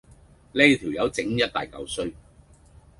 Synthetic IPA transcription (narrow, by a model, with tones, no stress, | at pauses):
lɛː˥˧t̪ʰiː˨˩wjɐ˨˧wt͡sɪ˨˥ŋjɐ˥t̚t̪a̰ː˨jkɐ̰˨˧wsɵ˥ɥ